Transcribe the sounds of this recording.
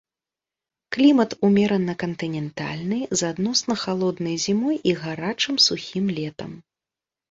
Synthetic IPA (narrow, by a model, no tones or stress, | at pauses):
klʲimɐt̪umʲɛɾɐnɐkɐnt̪ɨnʲɛnt̪a̰lʲnɨjzad̪nɔsnɐxalˠɔd̪nɐjzʲimɔjʔiɣaɾat͡ʂɨmsuxʲimlʲɛt̪ɐ̰m